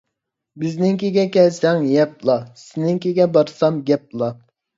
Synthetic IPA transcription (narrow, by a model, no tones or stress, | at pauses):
bɪznɪŋkʲeɡʲɛkʲɛlsɛŋjɛp̚lˠɑsɪnɪŋkʲeɡʲɛbɑɾsɑmɡʲɛp̚lˠɑ